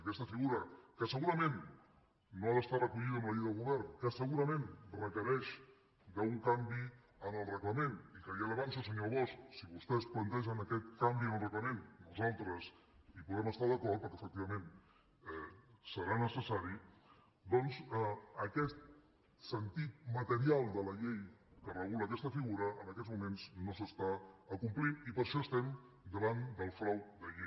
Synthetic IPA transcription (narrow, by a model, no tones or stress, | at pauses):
əkɛst̪əfiɣuɾəkəsəɣuɾəmẽnː | oaðəst̪arɾəkuʎiðəməðiðəlˠɣuβɛɾnkəsəɣuɾəmẽnrəkəɾɛʃ | d̪əuŋkambi | ənəlˠrəkləmẽnikəɾiələβansəsəɲoβɔsksiβust̪ɛsplənt̪ɛʃ̬ənəkɛt̪kambiənəlˠrəkləmẽnnuzalˠt̪ɾəs | ipuðɾɛməst̪aðəkɔɾt̪pəɾkɛəfək̚t̪iβəmen | ɛsəɾanəsəsaɾi | d̪ɔnzəəkɛt̪ | sənt̪it̪̚mət̪əɾialˠd̪ələʎejkərəɣuləkɛst̪əfiɣuɾəənəkɛzmumenznosəst̪aəkumplinipəɾʃɔəst̪ɛm | d̪əβand̪əlˠfɾawd̪əʎe